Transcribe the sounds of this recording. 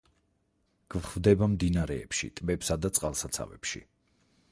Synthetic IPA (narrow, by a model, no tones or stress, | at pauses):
ɡ̥vχvd̪ɛbamd̪inaɾɛːpʃḭt̪ʼbɛpsad̪at̪sʼqʼalˠsat̪sʰa̰vɛ̰pʃḭ